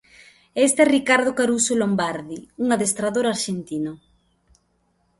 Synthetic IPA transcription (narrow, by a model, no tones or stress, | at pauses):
est̪ɛrikaɾð̞okaɾusolombaɾðiuŋaðest̪ɾaðoɾaɾʃent̪ino